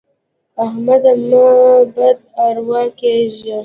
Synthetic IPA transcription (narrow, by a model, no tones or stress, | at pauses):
ahmad̪amabad̪̚aɾwakeʒə